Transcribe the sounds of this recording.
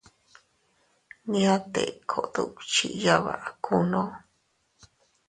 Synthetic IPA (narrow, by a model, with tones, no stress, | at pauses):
nĩ˧˦ã˦t̪ḛ˨kʰo˨ʔd̪ṵ˧kt͡ʃḭ˧˨ja˦βa̰˨ʔkʰu˦nõ˦